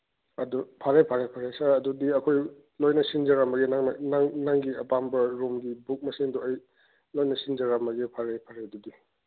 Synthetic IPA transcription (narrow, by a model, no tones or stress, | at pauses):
ɐdupʰaɾepʰaɾepʰaɾesɐɾɐdudiɐkʰoj | lojnɐsind͡ʒɐɾambɐɡenaŋɐnaŋnaŋɡiɐpambɐɾumɡibuk̚mɐsiŋduɐj | lojnɐsind͡ʒɐɾamɐɡepʰaɾepʰaɾeɐdudi